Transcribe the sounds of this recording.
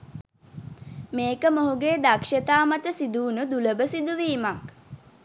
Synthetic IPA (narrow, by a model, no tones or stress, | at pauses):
meːkəmoɦuɡeːd̪akʃət̪aːmat̪əsid̪uːnud̪uləbəsid̪uʋiːmak